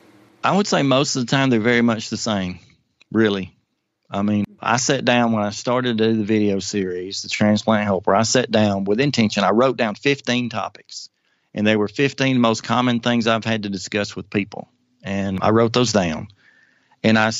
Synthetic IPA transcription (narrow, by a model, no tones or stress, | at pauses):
ʔaɪwəd̥seɪmoʊstʌvðətʰãɪ̃mðə˞vɛɹimʌt͡ʃðɨsẽɪ̃m | ɹɪlˠi | aɪmĩnʔa̰ɪsɛt̚d̥ãʊ̃nwə̃naɪstɑɹɾɨd̚ɨðɨvɪɾioʊsɪɹizðɨtʰɹ̥æ̃nspʰl̥æ̃n̚ɦɛlˠpwə˞aɪsɛt̚d̥ãʊ̃nwɪðɨ̃ntʰɛ̃nʃɨ̃naɪɹoʊt̚d̥ãʊ̃nfɪftĩntʰɑ̰pɨ̥ks | ʔɨ̃nðəɪwə˞fɪftĩnðmoʊskʰɑmɨ̃nθɪ̃ŋzaɪv̥ɨd̚tɨdɨskʌswɨð̥pʰipl̩ˠ | ɨ̃na̰ɪɹoʊt̪̚ðoʊzdãʊ̃n | ɨ̃naɪ